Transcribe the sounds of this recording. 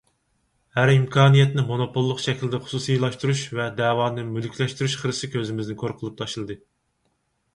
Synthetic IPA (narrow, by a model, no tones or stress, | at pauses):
hæɾimkʰɑːnijɛt̪nɪmonopʰolˠːəqʃɛkʲilɪd̪ɛχʊ̥susijlˠɑʃt̪uɾuʃvɛd̪ɛːwɑːnɨmylkʲʰlɛʃt̪yɾyʃχəɾɨsɨkʲʰøzɪmɪznɪkʰoɾqʰəlˠɨp̚t̪ʰɑʃɨlˠɨd̪ɨ